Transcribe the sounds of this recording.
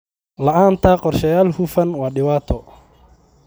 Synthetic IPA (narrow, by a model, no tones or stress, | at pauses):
lɐʔaːnt̪ʰaqɔrʃɐjaːlhufɐnwaːɗɪwaːt̪ʰɔ